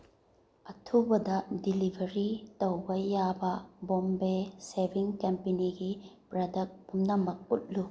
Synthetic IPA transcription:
ɐtʰubɐdɐdilibʱɐɾitɐwbɐjabɐbombesebʱiŋkempeniɡipɾɐdɐk̚pʰumnɐmɐk̚ṵt̚lu

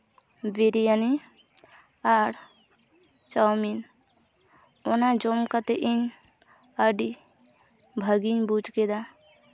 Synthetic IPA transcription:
biɾijəni | aɾ | t͡ʃawmin | onad͡ʒomkət̪eʔin | əɖi | bʱəɡinbut͡ʃked̪a

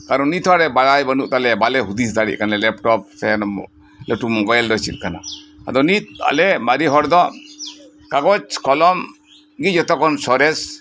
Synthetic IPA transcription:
kaɾɔnit̪ʰwaɾɛbalajbanuʔ̚t̪alɛbalɛɦud̪isd̪aɽḭʔkanlɛlɛpʈɔp̚ːɛn | lɛʈumɔbajlɾɔsit̪̚ˀkana̰a̰d̪ɔnit̪̚a̰lɛmaɾiɦɔɾd̪ɔ | kaɡɔt͡ʃkɔlɔm | ɡid͡ʒɔt̪ɔkɔnsɔɾɛs

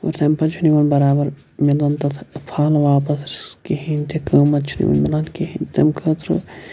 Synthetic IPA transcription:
o̰ɾt̪ɐmpɐt͡ʃʰuniʋɐnbɐɾaːbɐɾ | milɐnt̪ɐt̪ʰpʰaːlʋaːpɐsskiɦint̪ekəːmɐt̪̚t͡ʃʰunḭʋɐ̰nmilɐnkiɦint̪ɐmkʰət̪ɾɨ̰

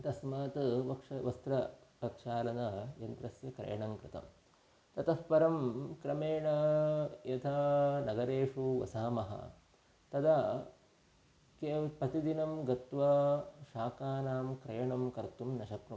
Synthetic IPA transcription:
t̪ɐsmaːt̪ɨʋɐkʂɐʋɐst̪ɾɐpɐkʂaːlɐnɐjɐnt̪ɾɐsjɐkɾɐ̰jɐɳɐŋkɾɪt̪ɐ̰m | t̪ɐt̪ɐspɐɾɐmkɾɐmeːɳɐjɐt̪ʰɐnɐɡɐɾeːʂuʋɐ̰saːmɐɦɐ̰ | t̪ɐd̪ɐ | keːpɐt̪id̪inɐmɡɐt̪ʋɐʃaːkaːnaːmkɾɐjɐɳɐmkɐɾt̪umnɐʃɐpɾɐ

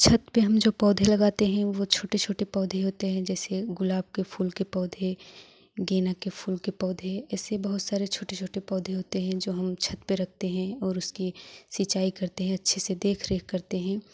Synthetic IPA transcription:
t͡ʃʰɐt̪peɦɐmd͡ʒoːpɔːd̪ʱelɐɡaːt̪eɦɛ̃ʋot͡ʃʰoːʈet͡ʃʰoːʈepɔːd̪ʱeɦoːt̪eɦɛ̃d͡ʒɛːseɡʊlaːb̚kefʰuːlkepɔːd̪ʱe | ɡeːnakefʰuːlkepɔːd̪ʱeɛːsebɐɦʊt̪saːɾet͡ʃʰoːʈet͡ʃʰoːʈepɔːd̪ʱeɦoːt̪eɦɛ̃d͡ʒoːɦɐmt͡ʃʰɐt̪peɾɐk̚ʰt̪eɦɛ̃ɔːɾʊskisit͡ʃaːikɐɾt̪eɦɛ̃ɐtːʃʰesed̪eːkʰɾeːkkɐɾt̪eɦɛ̃ː

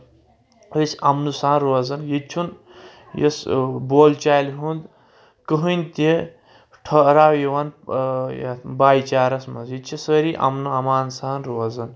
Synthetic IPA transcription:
əsʲɐmnusaːnɾoːzɐnjit͡ʃʰun | jḛsboːlt͡ʃaːjlɦund̪ | kəɦunʲt̪i | ʈʰɐɾaːwjiʋɐn̰ | baːjt͡ʃaːɾɐsmɐnsjit͡ʃʰisəɾiʔɐ̰mnuɐmaːnsaːɐnɾoːzɐn

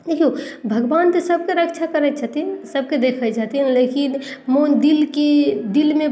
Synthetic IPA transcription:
d̪ekʰiobʱəɡbaːnt̪esəb̚keɾəkt͡ʃʰakəɾɛt͡ʃʰat̪iɦsəb̚ked̪eːkʰəd͡ʒat̪inleːkinmod̪ilked̪ilmẽ

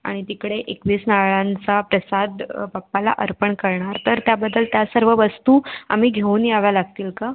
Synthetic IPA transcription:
a̰ɽ̃it̪ikɽeʔekʋiːsnaɭãnt͡sapɾəsad̪bapːala̰ʔəɾpəɳkəɾɳaɾt̪əɾt̪jabəd̪ːəlt̪jasəɾʋəʋəst̪uːa̰miːɡʱeuːnijaʋjalaɡ̚t̪iːlka

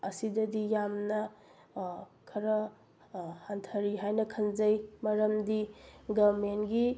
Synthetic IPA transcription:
ɐsidɐdijamnɐ | kʰɐɾɐ | hantʰɐɾiɦajnɐkʰɐnzɐjmɐɾɐmdiɡɐbmenɡi

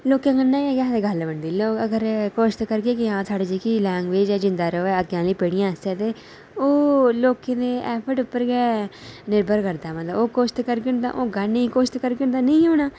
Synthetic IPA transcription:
loːkẽːɡənːaːeːɡɛːd̪eːɡəlbəɳd̪iːloːkəɡəɾkoːʃt̪kəɾɡeːkɪɦãːsʰaːɖeːd͡ʒiːkiːlɛ̃ːŋɡʋeːd͡ʒɛːd͡ʒɪ̃nd̪aːɾəɛːəɡjãːləiːpeːɽɪjãːəst̪eːt̪eː | oːloːkeːneːʔɛːpʰəʈʊpːəɾɡɛːnɪɾbʱəɾkəɾd̪aːmət̪ləboːkoːʃt̪kəɾɡənd̪ã̰ːʔoːɡənikoːʃt̪kəɾɡənd̪aːnəĩːɦoːnaː

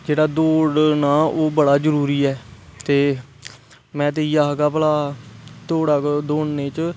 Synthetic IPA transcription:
d͡ʒeːɽaːd̪oːɽnaːoːbəɽaːd͡ʒəɾuːɾiːɛːt̪eː | mɛ̃ːt̪eiːaːɦɡaːpəlaːt̪oːɽaːkd̪oːɳneːt͡ʃ

